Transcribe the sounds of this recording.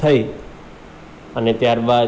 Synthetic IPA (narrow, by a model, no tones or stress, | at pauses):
əi | ənet̪jaɾba